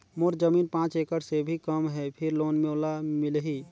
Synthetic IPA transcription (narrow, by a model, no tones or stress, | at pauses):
moɾd͡ʒəmiːnpãːt͡ʃekəʈsebʱikəmɦɛpʰɪɾloːnmẽolamɪlɦiː